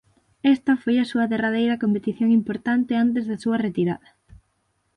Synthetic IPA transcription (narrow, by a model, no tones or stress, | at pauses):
ɛst̪ɐfojɐsuɐðerað̞ejɾɐkompet̪iθjoŋimpoɾt̪ant̪ɪant̪ezðɐsuɐret̪iɾa̰ðɐ